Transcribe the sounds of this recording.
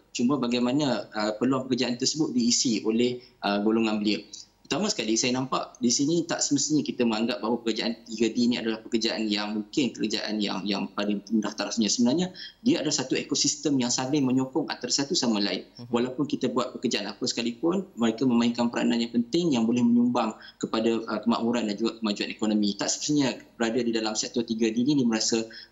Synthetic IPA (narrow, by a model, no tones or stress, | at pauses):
t͡ʃuməbaɡajmanəəpərluaŋpəkərd͡ʒaʔant̪ərsəbʊt̪̚diːsiolɛhʔəɡoloŋanbəliəɾut̪amãsə̥kalisajənãmpaʔdisinit̪a̰ʔsəməst̪iɲakit̪əməŋaŋɡap̚baɦwapəkərd͡ʒaʔant̪iɡədiːnĩa̰dalahpəkərd͡ʒaʔa̰njaŋmuŋkɪnkəɾa̰d͡ʒa̰ʔa̰nja̰ŋja̰ŋpadaŋt̪əndaht̪aɾasɲãsəbənarɲadiaadalahsat̪uekosist̪əmjaŋsalɪŋmə̃ɲɔkɔŋa̰t̪arsat̪usamala̰ɪnwalawpʊnkit̪əbuat̪̚pəkərd͡ʒaʔanapəsə̥kalipʊnməɾekaməmaɪŋkanpəɾa̰nanɲapənt̪ɪŋjaŋbolɛhmə̃ɲumbaŋkəpadaʔəkəma̰ʔmuɾandand͡ʒuɡakəmad͡ʒuanekonomĩt̪aʔsəməst̪iɲabəɾadadidalamsɛk̚t̪ɔrt̪iɡadinidiəməɾasa